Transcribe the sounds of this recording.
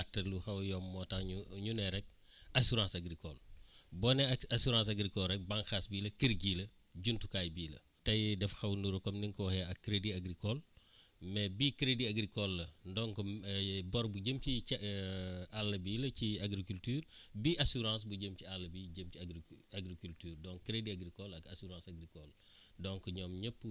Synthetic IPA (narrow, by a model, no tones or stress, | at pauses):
atːɐluxɐwjɔmːɔtɐɲuɲunɛɾɛk̚ | ɐsuɾãsɐɡɾikɔlbɔnɛasuɾãːs̬ɐɡɾikɔlrɛk̚bãŋxasbiːlɐkiɾɡiːlɐ | ɟuntukaːjbiːlɐ̰ | tɐjdɛfxɐwnuɾɐkɔmniŋkɔwhɛɐkːɾediɐɡɾikɔlmɛbikɾediɐɡɾikɔlːɐndɔŋkɔbɔɾbuɟəmci | alːɐbiːlɐciaɡɾikultyːrbiʔɐsuɾãːs̬buɟəmcialːɐbiɟəmciaɡɾikultyːrdɔŋkɾediaɡɾikɔlɐkɐsuɾãːsɐɡɾikɔl | dɔŋkɔɲɔːmɲəpːu